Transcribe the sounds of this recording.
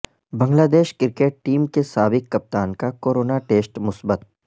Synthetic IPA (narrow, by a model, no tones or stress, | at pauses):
bɐ̃ŋɡlaːd̪eːʃkɪɾkeːʈ̚ʈiːmkesaːbɪkːɐp̚t̪aːnkakoːɾoːnaʈeːsʈmʊsbət̪̚